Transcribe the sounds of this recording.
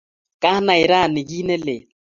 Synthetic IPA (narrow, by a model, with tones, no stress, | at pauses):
kʼa˦na˨ɪ˨ɾa˦˨nɪ˨k̬i˦nɛ˦lɪ˨